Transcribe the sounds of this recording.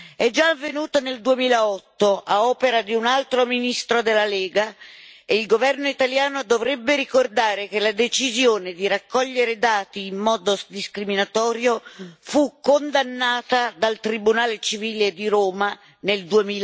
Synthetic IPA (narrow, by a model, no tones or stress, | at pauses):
ɛd͡ʒaːvːenuːt̪oneld̪uemiːlaɔt̪ːoʔaɔːpeɾad̪iunalt̪ɾominist̪ɾod̪elːalɛːɡaeilɡovɛrnoit̪aljaːnod̪ovɾɛbːeɾikord̪aːɾekelad̪et͡ʃizjoːned̪iɾakːɔʎːeɾed̪aːt̪iːmːɔːd̪od̪iskɾiminat̪ɔːɾjofukond̪anːaːt̪ad̪alt̪ɾibunaːlet͡ʃiviːled̪iɾoːma | neld̪uemiːl